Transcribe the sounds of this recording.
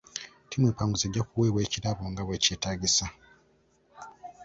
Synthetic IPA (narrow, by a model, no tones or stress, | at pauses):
timwepaːŋɡuzeɟːakuweːβweːcilaβoːŋɡaweːceːtaɡisa